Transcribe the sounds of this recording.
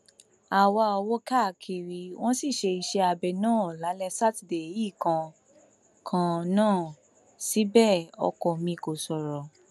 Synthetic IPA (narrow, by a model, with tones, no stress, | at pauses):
a˨wa˧ɔ˧wɔ˦ka˦˨kʰi˧ɾi˧w̃ɔ̃˦si˦˨ʃe˧i˧ʃe˧a˧bɛ˨nãː˦˨la˨˦lɛ˧sa˦ti˨de˨˦ji˦˨kã˧ | kʰã˧nãː˦˨ | si˨˦bɛ˦˨ɔ̰˧kɔ˨mĩ˧ko˨sɔ˨ɾɔ˨